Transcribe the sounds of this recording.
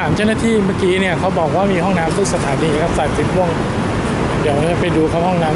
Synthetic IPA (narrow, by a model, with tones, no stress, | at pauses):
aː˩˦mt͡ɕa˥˩wna˥t̪ʰiː˥˩maː˥˩kiː˦˥ni˥˩ɐkʰa˦˥wbɔː˨˩k̚waː˥˩miː˧ɦɔ˥˩ŋnaː˦˥mt̪ʰu˦˥˩ksa˧t̪ʰaː˩˦niː˧kʰa˦˥p̚sa˨˩t̪̚si˨˦pʰu˥˩əŋ | di˨˩wa˥˩t͡ɕa˧˩pa˧jduː˧kʰa˦˥hɔ˥˩ŋnaː˦˥